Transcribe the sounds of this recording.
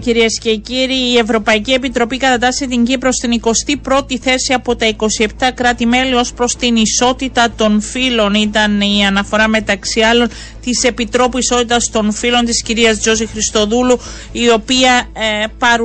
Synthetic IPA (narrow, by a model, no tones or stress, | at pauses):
ciɾiesce̞ciɾiːe̞vɾo̞pɐicie̞pit̪ɾo̞pikɐt̪ɐt̪ɐset̪iɲɟipɾo̞st̪iniko̞st̪ipɾo̞t̪iθe̞siɐpo̞t̪ɐiko̞sie̞pt̪ɐkɾɐt̪ime̞lio̞spɾo̞st̪iniso̞t̪it̪ɐt̪o̞nfilo̞nit̪ɐniɐnɐfo̞ɾɐme̞t̪ɐksiɐlo̞n | t̪ise̞pit̪ɾo̞puiso̞t̪it̪ɐst̪o̞nfilo̞nt̪isciɾiɐzd͡ʒo̞zixɾist̪o̞ðulu | io̞piɐpɐɾ